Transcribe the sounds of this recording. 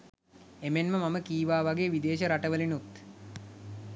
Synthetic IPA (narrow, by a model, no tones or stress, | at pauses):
emenməmaməkiːʋaːʋaɡejʋid̪eːʃəɾaʈəʋəlinut̪